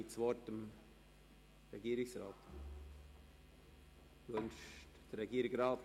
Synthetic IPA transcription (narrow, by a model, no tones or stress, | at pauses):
ɪtt͡svɔːtəm | ɾɛɡiəɾɪksɾɑ̰ːt̪ | ʋœnʃtd̥əɾɛɡiəɾɪɡɾɑːt